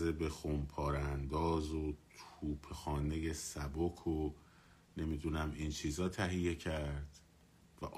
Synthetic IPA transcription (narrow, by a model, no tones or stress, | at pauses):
ebexompʰɒːɾænd̪ɒːzot̪ʰuːpʰexɒːne̞je̞sæbokʰo | ne̞mid̪unæmint͡ʃʰiːzɒːt̪ʰæɦije̞cʰæɾd̪̥ | væʔ